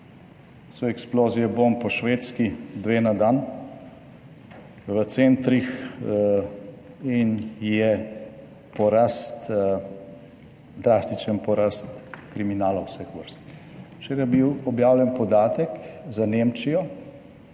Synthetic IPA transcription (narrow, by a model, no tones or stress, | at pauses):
sɔɛksploːzijɛbompɔʃʋeːt̪skid̪ʋeːnad̪an | ʋət̪sent̪ɾix | injɛ | pɔɾast̪ | d̪ɾast̪it͡ʃənpɔɾast̪kɾiminaːlawsɛxʋəɾst̪ | t͡ʃeɾɛbiwɔbjaːwljɛnpɔd̪aːt̪əkzanemt͡ʃijɔ